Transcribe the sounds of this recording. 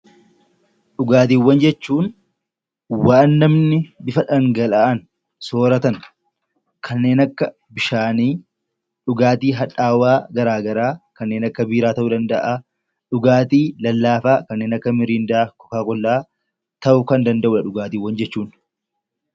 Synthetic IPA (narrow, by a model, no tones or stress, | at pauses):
ᶑʊɡaːt̪iːwːɐnd͡ʒɛt͡ʃːuːn | waːnːɐmnɪbɪfɐᶑɐŋɡɐlaɐn | soːɾɐt̪ɐn | kʰɐnːe̞ːnɐkːɐ | bɪʃaːniː | ᶑʊɡaːt̪iːɦɐᶑaːwaːɡɐɾaːɡɐɾaːkɐnːeːnɐkːɐbiːɾaːt̪ɐʔʊd̪ɐnd̪ɐʔa | ᶑʊɡaːt̪iːlɐlːaːfaːkɐnːe̞ːnɐkːɐmɪɾiːnd̪ɐʔakɔ̥kaːkɔlːaː | t̪ɐʔʊkɐnd̪ɐnd̪ɐʔʊɐᶑʊɡaːt̪iːwːɐnd͡ʒɛt͡ʃːuːn